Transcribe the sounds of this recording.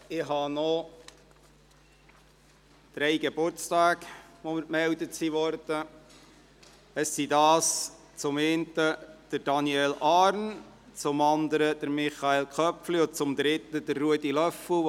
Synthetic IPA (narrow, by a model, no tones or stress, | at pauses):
ɪɦɑnɔ | d̪̥ɾɛjɡeb̥ʊɾt͡stɑːɡʋomɪɾmɛldəsiʋɔɾd̥ə | əsːidɑːs | t͡sʊmeːnt̪əd̥əɾd̥ɑniɛlɑːɾn | t͡sʊmɑnd̪əɾəd̥̪əɾmɪχɑelkʰœpfliʊt͡sʊmd̪ɾɪt̪ːəd̥̪əɾːuədilœfəl